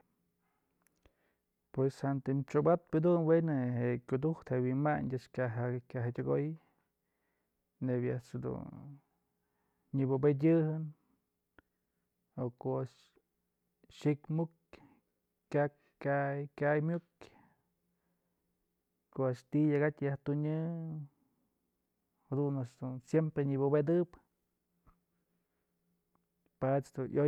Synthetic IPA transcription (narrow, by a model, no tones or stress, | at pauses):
pweshant̪ɨmt͡ʃobat̪̚pɨd̪unwenɨɦeʔkʲud̪uht̪hewinmaɲdʲaʔt͡ʃkʲaɦakʲaɦatʲaɡoj | nebʲjaʔshad̪ṵn | ɲɨbobet̬ʲɨɦɨn | okoaʔʂ | ʃikmuk | kʲak | kʲajkʲajmʲuk | koaʃt̪ijaɡat̪ʲjaht̪uɲɨ | had̪unasd̪unsjempɾeɲibobed̪ɨp | pat͡ʃd̪ujʔo